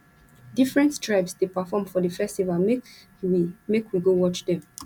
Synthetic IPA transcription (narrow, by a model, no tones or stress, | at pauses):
difɹɛ̃ntstɹaɪbsdepafɔ̃mfɔdəfɛstivalm | imekwiɡowɔt͡ʃdɛ̃m